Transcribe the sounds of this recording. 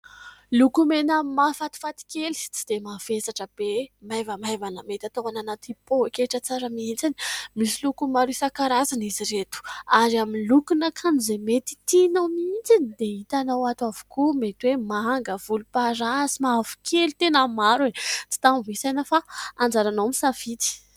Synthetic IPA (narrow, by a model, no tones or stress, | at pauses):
lukumenəmafat̪i̥fat̪i̥kʲeli̥t͡sid̪̥emav̥esaʈ͡ʂəb̥emajvəmajvanamet̪at̪oananat̪ipoekeʈ͡ʂət͡saɾəmiint͡sinimisilukumaɾuisakaɾazaniziɾet̪u̥aɾaminlukunakʰanizemet̪i̥t̪inawmiint͡sinid̪eit̪anawat̪avu̥kumet̪wemaaŋɡəvulupaɾasimavu̥kʰelit̪enəmaɾet͡si̥t̪ammisajnəfaand͡zaɾanowmisafit̪i̥